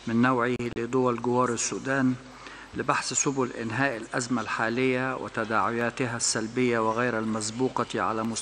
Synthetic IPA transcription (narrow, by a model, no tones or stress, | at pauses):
mɪnːawʕɪlɪd̪ˤʊwalɡʊwɑːɾˤɪsːuːd̪aːn | lɪbaħssʊbʊlʔɪ̰nɦaːʔɪlʔazmalħaːlɪjːawʔɪ̰t̪ad̪aːʕɪjaːt̪ɪɦasːalbɪjːawɪɣajɾalmazbuːqɑʕa̰lamʊs